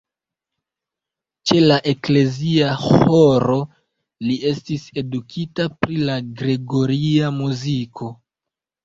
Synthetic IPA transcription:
t͡ʃe̞laʔe̞kle̞ziahoɾo̞ | lie̞stise̞dukʰitapɾilaɡɾe̞ɡo̞ɾiamuzikʰo̞

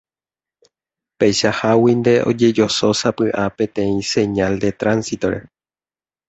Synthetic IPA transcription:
pejʃahawind̪e̞ʔo̞̰d͡ʒe̞d͡ʒo̞so̞sapɨʔapẽ̞t̪ẽ̞ĩsẽ̞ɲald̪e̞t̪ɾansit̪o̞ɾe̞̰

